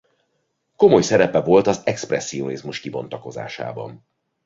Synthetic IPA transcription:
ko̞mo̞jsɛɾɛpɛvo̞lt̪ɒzɛksprɛsːio̞nizmuʃkibo̞nt̪ɒko̞za̰ːʃa̰ːbɒ̰n

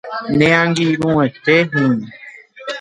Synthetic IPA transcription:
nẽãŋɡiɾũet̪eɦɨ̃

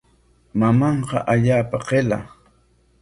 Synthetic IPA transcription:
mamɑɴqɑ̰ʔaʎaːpaqela̰

